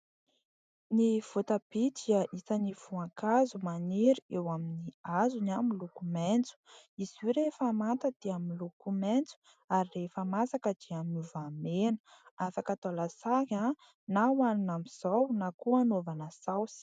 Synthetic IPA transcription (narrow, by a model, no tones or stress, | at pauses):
niv̥ot̪əb̥id̪iaʔisaniv̥uaŋkazumaniɾiewaminiazunamilukumɛnt͡su̥iz̥uɾefamant̪əd̪̥eamilukumɛnt͡su̥ | aɾirefəmasakəd̪̥iaminuvamenə̥afakət̪alasaɦa | nawaninamiz̥awnakuanovanəsawsi̥